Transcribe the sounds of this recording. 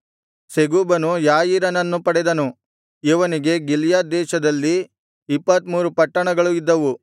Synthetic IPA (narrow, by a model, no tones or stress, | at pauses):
seɡuːbɐnujaːjiɾɐnɐnːupɐɽɛd̪ɐnu | iʋɐniɡe̞ɡiljaːd̪ɛːʃɐd̪ɐlːiː | pːɐt̪muːɾupɐʈːɐɳɐɡɐɭuid̪ːɐʋu